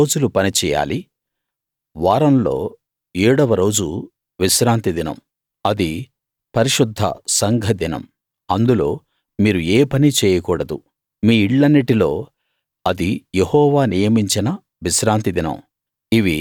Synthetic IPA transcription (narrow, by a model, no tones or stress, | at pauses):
oːd͡ʒulupɐnit͡ʃɛːja̰ːli | ʋaːɾɐmlo̞ː | iːɽɔʋɐɾo̞ːd͡ʒu | ʋiʃɾaːnt̪id̪inɐ̰m | ɐd̪i | pɐɾiʂud̪ʱːɐ̰sɐŋɡʱɐd̪inɐ̰m | ɐnd̪ulo̞̰ː | miːɾueːpɐnit͡ʃɛːjɐkuːɽɐd̪u | miːiɭːɐnːiʈilo̞ː | ɐd̪ijehɔːʋaːnijɐmiɲt͡ʃinɐ | ʋiʃɾaːnt̪id̪inɐ̰m | iʋi